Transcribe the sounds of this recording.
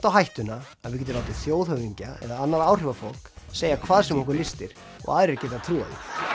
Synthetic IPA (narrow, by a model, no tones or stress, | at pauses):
t̪awɦajht̪ʏna | aðvɪɾcɛːt̪ʏlaːwt̪ɪθjoːwðhœviɲcaɛ̰ðaanːaɾaːwr̥ɪvafol̥kseːjakʰvaːðsɛmɔhkʏɾlɪst̪ɪɾ̥ | ɔ̰ɣʔaːðɾɾcɛːt̪at̪ʰɾuːa̰ðʏ̰